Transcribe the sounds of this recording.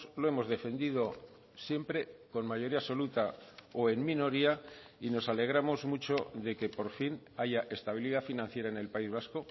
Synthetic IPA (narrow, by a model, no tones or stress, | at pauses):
lo̞e̞mo̞zðe̞fe̞nd̪ið̞o̞ | sje̞mpɾe̞ko̞nmaʝo̞ɾiaso̞lut̪aoe̞nmĩno̞ɾiaino̞sale̞ɣ̞ɾamo̞zmut͡ʃo̞ðe̞ke̞po̞ɾfinaʝaʔe̞st̪aβ̞iliðafinãn̟θje̞ɾaene̞lpaizβ̞asko̞